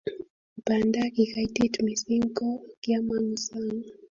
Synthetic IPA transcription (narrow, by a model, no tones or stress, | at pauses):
upandakikaititmisiŋkɔkiamaŋusaŋ